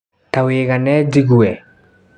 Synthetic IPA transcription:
taweːɣanɛd͡ʒiɣuɛ

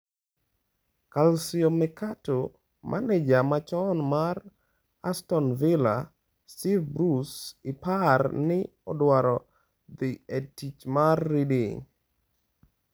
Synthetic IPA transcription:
kalsiomɛkato | mʔa̰ned͡ʒamat͡ʃɔnmar | astɔnvɪla̰ | stivbɾusɪparnɪ | ɔdwaɾɔ | d̪ɪetit͡ʃmarːidiŋ

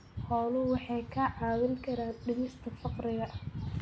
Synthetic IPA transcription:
hɔːlʊwɑħɑjkʰɐʕɑːðɐlkʰɐɾaːɖɪmɪst̪ʰɐfɑqɾɪɣɐʔɐ

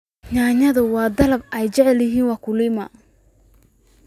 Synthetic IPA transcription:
ɲaːɲɐðɐwɑːd̪ɐlɐbɛjt͡ʃɛʕɛljɪɦiːnwɑːkʰʊliːmɐ̰

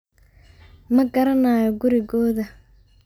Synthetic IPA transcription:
mɐɡɐɾɐnaːjɔɡʊɾɪɣɔːðɐ

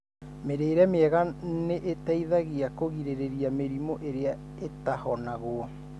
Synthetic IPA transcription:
meɾeːɾɛmeɛɣaneʔetaiðaɣeakoɣiɾeɾeɾiameɾimoʔeɾea | etahɔnaɣoɔ

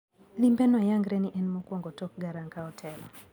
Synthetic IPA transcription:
limbɛnɔjaŋɡɾɛniʔɛnmɔkwɔŋɡɔtɔk̚ɡaɾaŋkaɔtʰɛlɔ

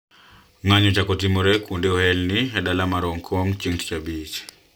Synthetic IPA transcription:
ŋaɲɔt͡ʃakɔtimɔɾɛkundeɔhɛlniɛdalamaɾɔŋkʰɔŋt͡ʃiŋtt͡ʃabit͡ʃ

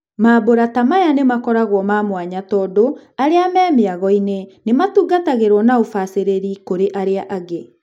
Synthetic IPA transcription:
maboɾatamajanemakɔɾaɣwɔmaːmwaɲatɔdoaɾeamɛːmeaɣɔinenematuːɡataɣeɾwɔnaofaseɾeɾikoɾeʔaɾeaʔaɣe

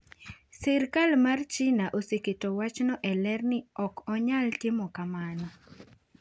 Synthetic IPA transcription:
sɛɾkalmart͡ʃɪnaʔoseketowat͡ʃnɔʔɛlɛrnɪɔkɔɲaltɪmɔkamanɔ

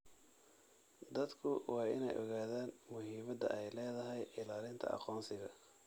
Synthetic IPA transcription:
d̪ɐd̪kʰʊwʔɑːɪ̰nɛ̰jʔɔ̰ɣaːðaːnmʊɦiːmɐd̪ɐ̰ʔɛjlɛːðɐɦɛjɪlaːlɪnt̪ʰɐ̰ʔɑ̰qɔːnsɪɣɐ

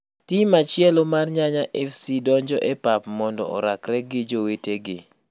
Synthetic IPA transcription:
timat͡ʃɪɛlomarɲaɲaʔɛfsidɔɲd͡ʒɔʔepapmɔndɔ̰ɔ̰ɾakɾɛɡɪd͡ʒoweteɡɪ

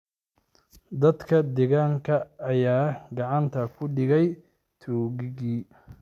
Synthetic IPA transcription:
d̪ɐd̪kʰɐd̪ɛɣaːŋkʰɐːjaːɡɑʕɑnt̪ʰɐkʰʊɖɪɣɛj | t̪ʰuːɣɪɣiː

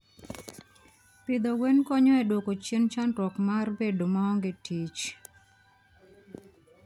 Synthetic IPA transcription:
pɪd̪ɔwenkɔɲɔɛdwokot͡ʃjent͡ʃandwɔkmarbedomaɔŋɡɪtʰit͡ʃ

